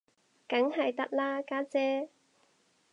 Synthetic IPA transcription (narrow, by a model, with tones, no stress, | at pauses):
kɐ˨˥ŋɦɐ˨jt̪ɐ˥k̚laː˥kaː˥t͡sɛː˥